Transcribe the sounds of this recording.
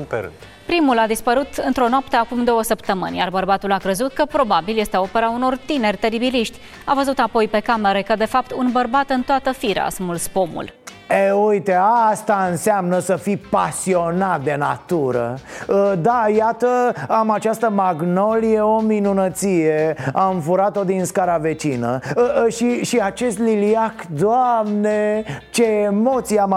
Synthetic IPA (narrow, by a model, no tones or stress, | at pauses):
peɾɨ̰t̪ | pɾimulad̪ispəɾut̪ɨnt̪ɾo̞noapt̪e̞akumd̪o̞wəsəpt̪əmɨ̰nʲjarbərbat̪ulakɾezut̪̚kəpɾo̞babilje̞st̪e̞o̞pe̞ɾauno̞rt̪ine̞rʲt̪e̞ɾibiliʃt̪ʲ | avəzut̪apo̞jpe̞kame̞ɾe̞kəd̪efap̚t̪unbərbat̪ɨnt̪oat̪əfiɾa̰smulspomṵl | eujt̪east̪aɨnsamnəsəfipasio̞nat̪̚d̪e̞na̰t̪uɾə̰əd̪ajat̪əamat͡ʃast̪əmaɡno̞lijeo̞minunət̪sijeaɱfuɾat̪o̞d̪inskaɾave̞t͡ʃinə̰ʃiʃiat͡ʃe̞st̪liliakd̪oamnet͡ʃe̞ːmo̞t̪sijam